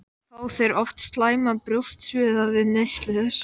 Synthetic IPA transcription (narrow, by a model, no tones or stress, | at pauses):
θaːwθejɾɔft̪st̪laːjmapɾjowst̪svʏːðavɪðnest̪lɛðɪɾ̥